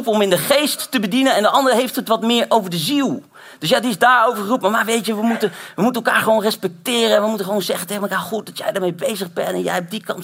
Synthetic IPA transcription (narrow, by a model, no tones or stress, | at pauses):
upɔmɪndəχejstːəbədinənɛndəʔɑndəɹɦejftɦətʋɑtmɪːɹʔowvəɹdəzilˠ | d̥øsjaːdiɪzdaːɹowvəɹχərupmaɹmaʋejtəʋəmutəʋəmutənɛlˠkaːɹχəʋownrɛspɛk̚tɪːrəɛnʋəmutəχəʋownzɛχənteχənməkaːɹχut̚dɑtjɛ̰jdəɹmejbejzəχbɛ̰ntɛ̰njɛ̰jɔb̚dikɑ̰nt